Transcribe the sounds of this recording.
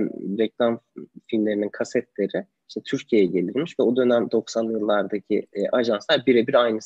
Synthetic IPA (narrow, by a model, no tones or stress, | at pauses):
ɾɛklˠamfilʲmlʲe̞ɾininkʰasɛt̪lʲe̞ɾɪ | iʃt̪ʰɛt̪ʰyɾcʰijejɛɟe̞lʲiɾmiʃvɛo̞d̪ø̞næmd̪o̞ksanjɯlˠːaɾd̪acʰiʔaʒanslˠaɾbiɾɛbiɾajnɯs